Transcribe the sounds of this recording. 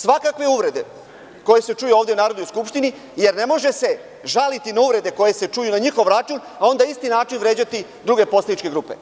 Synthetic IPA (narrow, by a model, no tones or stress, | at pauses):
sʋakakʋe̞uʋɾe̞d̪e̞̰ | ko̞je̞se̞t͡ʃujuo̞ːʋd̪eunaːɾod̪nojskupʃt̪ini | je̞ɾne̞mo̞ʒe̞se̞ | ʒalit̪inauʋɾe̞d̪e̞ko̞je̞se̞t͡ʂujunaɲixo̞ʋɾat͡ʃuːn | ao̞nd̪aist̪inaːt͡ʃinʋɾe̞ːd͡ʑat̪i | d̪ɾuɡe̞posled̪nit͡ʃke̞ɡɾuːpe̞̰